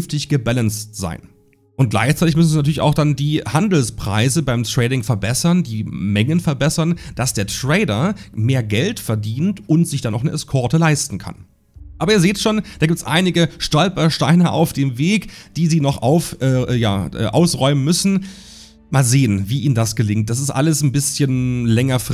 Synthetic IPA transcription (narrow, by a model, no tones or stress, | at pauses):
nftɪçɡ̥əbalənstz̥a̰ɪn | ʔʊnt̚ɡ̥la̰ɪçt͡saɪtɪçmʏsn̩zinatʰyɐlɪçʔa̰ʊxd̥andiːhandl̩spʁ̥a̰ɪzəbaɪmtʁ̥ɛːdɪŋfɛɐbɛsɐndiːmɛŋənfɛɐbɛsɐnd̥asd̥eːɐtʁ̥ɛɪdɐmeːɐɡɛltfɛɐdiːntʔʊntz̥ɪçd̥anɔxnəʔɛskʰɔɐtəlaɪstn̩kʰa̰n | ʔaːbɐiːɐzeːtʃoːnd̥aːɡip̚tsʔa̰ɪnɪɡəʃtɔlpɐʃtaɪnɐʔa̰ʊfd̥eːmveːkd̥iːziːnɔχʔa̰ʊfʔɛja̰ːʔɛ̰ːʔa̰ʊsʁɔʏmənmʏsn̩ | maːlzeːənviːʔiːməndasɡ̥əlɪŋt̚d̥as̬ɪstʔa̰ləsn̩bɪsçənlɛŋɐf